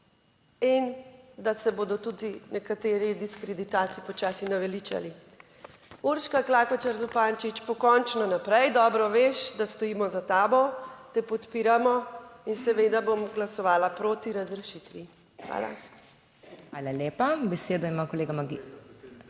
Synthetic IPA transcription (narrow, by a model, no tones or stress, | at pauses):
ind̪asɛboːd̪ɔt̪ud̪inɛkat̪eːɾid̪iskɾed̪it̪aːt̪siipɔt͡ʃaːsinaʋɛlit͡ʃa̰li | uɾʃkaklaːkɔt͡ʃaɾzupaːnt͡ʃit͡ʃpɔkɔnt͡ʃnɔnapɾɛjd̪ɔːbɾɔʋeʃd̪ast̪ɔjiːmɔzat̪aːbɔt̪ɛpɔt̪piːɾamɔinsɛʋed̪abomɡlasɔʋaːlapɾoːt̪iɾazɾɛʃit̪ʋi | xʋa̰ːla̰ | xʋaːlaleːpabɛseːd̪ɔimakoleːɡamaɡi